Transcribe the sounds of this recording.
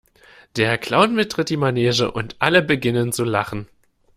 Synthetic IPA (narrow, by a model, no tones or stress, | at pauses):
d̥eːɐkʰl̥aʊnmɪt̚tʁ̥ɪt̚d̥iːmanɛːzəʔʊntʔaləbəɡɪnənt͡sulaχn̩